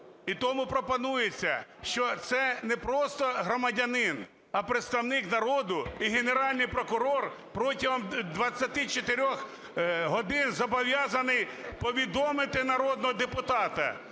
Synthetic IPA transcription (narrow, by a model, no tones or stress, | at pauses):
it̪ɔmʊpɾɔpɔnujet͡sʲːɐʃt͡ʃɔt̪sɛnɛpɾɔst̪ɔɦɾɔmɐdʲɐnɪn | ɐpɾɪt̪st̪ɐwnɪknɐɾɔd̪ʊiɦeneɾɑlʲnɪjpɾɔkʊɾɔr | pɾɔtʲiɦɔmd̪ʋɐt͡sʲːɐt̪ɪt͡ʃet̪eɾʲɔx | ɦɔd̪ɪnzɐbɔʋʲjɑzɐnɪjpɔʋʲid̪ɔmɪt̪ɪnɐɾɔd̪̚nɔɦɔd̪epʊt̪ɑt̪ɐ̰